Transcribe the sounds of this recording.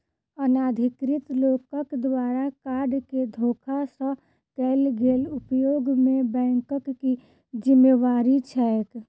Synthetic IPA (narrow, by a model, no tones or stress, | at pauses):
ənaːd̪ʱɪkɾɪt̪lokəkd̪waːɾakaɾɖked̪ʱoːkʰasə̃ | kɛlɡeːlupjoɡmẽbɛ̃ːŋkəkːi | d͡ʒimːeʋaːɾit͡ʃʰɛek